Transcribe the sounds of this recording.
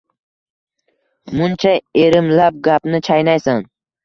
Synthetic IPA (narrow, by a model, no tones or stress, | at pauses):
mʊnt͡ʃʰaeɾɪmlap̚ɡapnɪt͡ʃʰajnajsan